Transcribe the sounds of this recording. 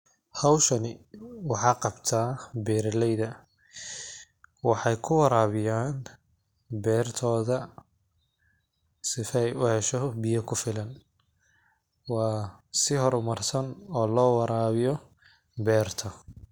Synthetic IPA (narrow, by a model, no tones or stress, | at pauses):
hɑwʃɐnɪwɑħɑːqɑbt̪ʰaːbɛːɾlɛjðɐ | wɑħɑjkʰʊwɑɾaːβɪjaːn | bɛːrt̪ʰɔːðɐ | sɪfɛjʊhɛʃɔbɪjɐkʰʊfɪlɐn | wɑːsɪhɔɾʊmɐrsɐnɔːlɔːwɑɾaːβɪjɔ | bɛːrt̪ʰɐ